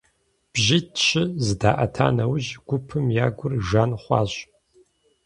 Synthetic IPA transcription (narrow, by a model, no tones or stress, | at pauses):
b̥ʒitʃʰɪzɨdaːʔɐ̰tʰa̰ːnɐwʑɡ̥ʷʊpʰɨmjaːɡʷʊrʒaːnχʷɑ̰ːɕ